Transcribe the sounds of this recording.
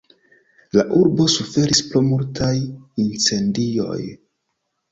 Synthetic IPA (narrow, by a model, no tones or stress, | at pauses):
laʔuɾbo̞sufe̞ɾispɾomultajint͡se̞ndio̞̰j